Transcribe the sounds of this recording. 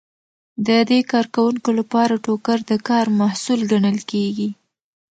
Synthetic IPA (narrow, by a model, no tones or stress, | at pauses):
d̪əd̪ekɑɾkawuŋkolapɑɾaʈokaɾd̪əkɑɾmahsulɡaɳəlkeɡi